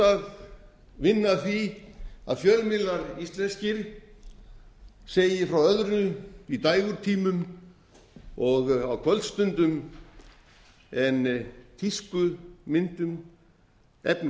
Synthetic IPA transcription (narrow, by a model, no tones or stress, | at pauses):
að | vɪnːaθia̰ðfjœɾmɪlaɾist̪lɛnscɪɾ | seːjɪfɾawœðɾʏit̪ajɣʏɾt̪ʰiːmʏm | ɔɣawkʰvœlt̪st̪ʏnt̪ʏm | ɛnt̪ʰiskʏmɪnt̪ʏm | ɛ̰pn